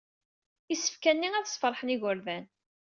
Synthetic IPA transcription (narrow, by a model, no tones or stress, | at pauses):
isə̥fkænːiæðsˤfəɾˤħəniʝʊɾðæn